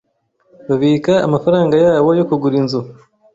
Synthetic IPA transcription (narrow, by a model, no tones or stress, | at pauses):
βaβika̰ːmafaɾaːŋɡajaːβo̞jo̞kuɡuɾinzu